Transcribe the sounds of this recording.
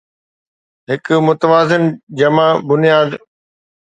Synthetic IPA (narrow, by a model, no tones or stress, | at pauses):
ɦɪkʊmʊt̪əʋaːzɪnd͡ʑɐmabʊnijaːd̪